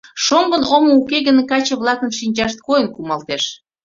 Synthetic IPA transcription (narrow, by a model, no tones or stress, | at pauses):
ʃombə̆nomoukeɣənekɑt͡ɕəβlˠɑkənʃinʲd͡ʑɑʃt̪̚kojənkumɑlt̪eʃ